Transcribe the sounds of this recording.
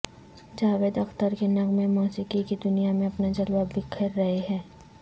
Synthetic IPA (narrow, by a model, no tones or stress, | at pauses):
d͡ʒaːʋeːd̪ɐxt̪əɾkenɐɡmẽmɔːsɪkikid̪ʊnijamẽɐpnad͡ʒɐlwabɪkʰəɾːɐɦeɦɛ̃ː